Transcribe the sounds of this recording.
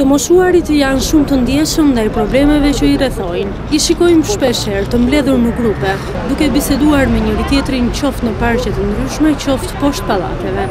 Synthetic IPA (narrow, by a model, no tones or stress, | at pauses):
t̪əmɔsuaɾit̪əjanʃumt̪ənd̪jɛsəmnd̪ajpɾɔblɛmɛvɛt͡ɕəirɛθɔjn | iʃikɔjmʃpɛʃɛɾt̪əmblɛðuɾnəɡɾupɛ | d̪ukɛbisɛd̪uaɾmɛɲəɾit̪jɛt̪ɾint͡ɕɔft̪nəpaɾcɛt̪ənd̪ɾyʃmɛt͡ɕɔft̪pɔʃt̪̚palˠa̰t̪ɛvɛ